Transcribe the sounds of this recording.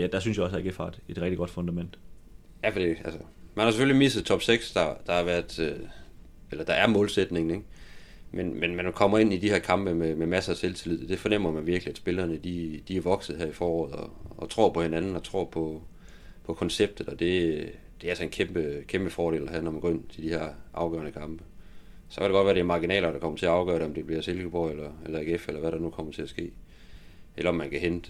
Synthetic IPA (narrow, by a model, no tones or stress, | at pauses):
jæd̥ɑ̈synsjɑɒsdæɐɡ̥efɑ̈d̥e̝d̥ʁɛɡ̥̚d̥iɡ̥ɒ̽d̥fɔ̽nd̥æmen̰d̥ | jæfɒd̥iælsə | mænhɑ̈s̬efølimisð̩ˠt͡sʰɒ̽b̥seɡ̥sd̥ɑ̈d̥ɑ̈hɑ̈ʋæɐ̰d̥ø | elɐd̥ɑ̈æɐmɔːlsed̥ne̝ŋn̩eɡ̥ | menmenmænkʰɒ̽m̰ɐe̝n̰id̥iheɐ̰kʰɑ̈mb̥əmememæsəæt͡sʰelt͡sʰelið̰ˠd̥e̝fɒ̽nem̰ɐmænʋiɐɡ̥liæd̥sb̥e̝lɐːnəd̥id̥iæɐʋɒ̽ɡ̥sð̩ˠɦæɐ̰ifɒːɒ̰ːð̩̰ˠɒ̽ːt͡sʰʁo̝̰ɐ̰pʰɒ̽he̝nænn̩ɒ̽t͡sʰʁo̝̰ɐ̰pʰɒ̽ | pʰɒ̽kʰɒ̽nseb̥̚d̥ð̩ˠɒ̽d̥e̝ | d̥e̝æælsɒe̝nkʰemb̥əkʰemb̥əfɒːɾe̝̰ːlæɦæ̰nɒmænɡ̥̰ːe̝n̰t͡sʰe̝d̥ihæɐ̰ʔɑ̈ʊɡ̥ɜ̰ɐnəkʰɑ̈mb̥ə | sɒ̽kʰælɾ̥eɡɒ̽dʋæːɐd̥emɑ̈ɡ̥inɛ̰ːlɐɾ̥ɑ̈kʰɒ̽m̰ɐt͡sʰe̝æɑ̈ʊɡ̥ɶ̰ɐɾeɒ̽md̥e̝b̥liɐselɡ̥əpʰɒelɐelɐeɡ̥efelɐʋæɾɑ̈nukʰɒ̽m̰ɐt͡sʰe̝æsɡ̥e̝̰ː | elɐɒ̽mːænkʰæɦend̥